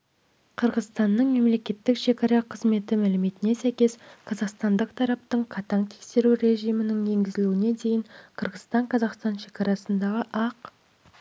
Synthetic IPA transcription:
qʰəɾʁəzst̪ɑnːəɴme̞mle̞kʲe̞t̪ːɪkʃe̞kɑɾɑqʰəzme̞t̪ɪmælɪme̞t̪ɪne̞sæjkʲe̞sqʰɑzɑqst̪ɑnd̪əqt̪ʰɑɾɑp̚t̪əɴqʰɑt̪ɑɴt̪ʰekse̞ɾuɾe̞ʒijmɪnɪŋje̞ŋɡʲɪzɪluwɪne̞d̪ʰe̞jɪɴqʰəɾʁəzst̪ɑɴqʰɑzɑqst̪ɑnʃe̞kɑɾɑsənd̪ɑʁəʔɑq

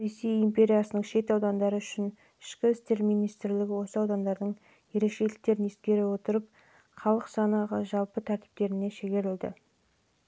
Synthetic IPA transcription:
ɾe̞sːijimpʲe̞ɾʲijasənəɴʃe̞t̪ɑwd̪ɑnd̪ɑɾəʏʃɪn | ɪ̥ʃkʲɪɪst̪e̞ɾmijnijst̪ɾlɪɡʲɪwo̞səɑwd̪ɑnd̪ɑɾd̪əɴ | je̞ɾe̞kʃe̞jlɪk̚t̪e̞ɾɪne̞skʲe̞ɾɪwo̞t̪əɾəp̚ | χɑlˠəqsɑnɑʁəʒɑlˠpət̪ʰæɾt̪i̥p̚t̪e̞ɾɪne̞ʃe̞ɡʲe̞ɾɪld̪ɪ̰

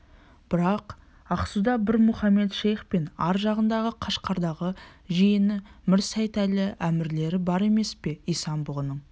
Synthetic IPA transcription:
b̥ɪɾɑq | ɑqsud̪ɑbɪɾmʊχɑme̞t̪ʃejχpe̞nɑɾʒɑʁənd̪ɑʁəqʰɑʃqʰɑɾd̪ɑʁəʒijɪnɪmɪɾsæjt̪ælɪʔæmɪɾle̞ɾɪbɑɾe̞me̞spe̞ijsɑmbʊʁnəɴ

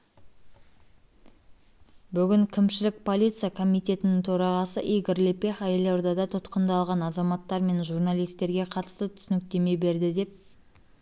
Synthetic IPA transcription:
bʏɡʲɪŋkʲʰɪmʃɪlɪk̚pʰo̞lʲit̪sɨjakʰo̞mijt̪e̞t̪ɪnɪŋt̪ʰoɾɑʁɑsəʔijɡəɾlepe̞χæjelod̪ɑd̪ɑt̪ʰʊt̪qənd̪ɑlˠʁɑnɑzɑmɑt̪ːɑɾme̞nʒuɾnɑlˠijst̪e̞ɾɡʲe̞qʰɑt̪ə̥st̪ət̪ʰʏsɪnɪk̚t̪e̞me̞be̞ɾd̪ɪd̪e̞p̚

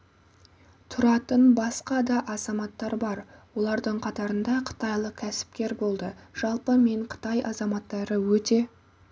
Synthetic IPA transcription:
t̪ʰʊɾɑt̪ənbɑsqɑd̪ɑʔɑzɑmɑt̪ːɑɾbɑɾwo̞lˠɑɾd̪əɴqʰɑt̪ɑɾənd̪ɑqʰə̥t̪ɑjlˠəkʲʰæsɪ̥p̚kʲe̞ɾbo̞lˠd̪əʒ̥ɑlˠpəme̞ɴqʰə̥t̪ɑjʔɑ̰zɑmɑt̪ːɑɾəwɵt̪e̞

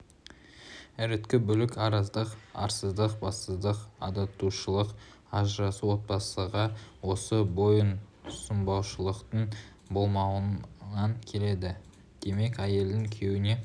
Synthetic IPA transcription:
æɾɪt̪kʲɪbʏlɪkɑɾɑzd̪əqɑ̰ɾsəzd̪əqbɑst̪əzd̪əqɑ̰d̪ɑt̪uʃəlˠəq | ɑʒəɾɑsuwo̞t̪̚bɑsəʁɑwo̞səbo̞jən | səmbɑwʃəlˠəqt̪əɴ | bo̞lˠmɑwənɑŋkʲʰe̞le̞d̪ɪ | d̪̥e̞me̞kʲæje̞ld̪ɪŋkʲʰe̞wɪne̞

